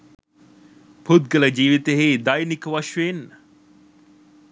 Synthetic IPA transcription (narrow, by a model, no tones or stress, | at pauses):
pʰud̪ɡələd͡ʒiːʋit̪eɦeːd̪ɐjnikəʋɐʃʋen